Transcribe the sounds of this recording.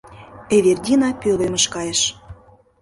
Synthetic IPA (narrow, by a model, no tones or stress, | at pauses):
eβerdʲinɑpʲølemə̆ʃkɑjəʃ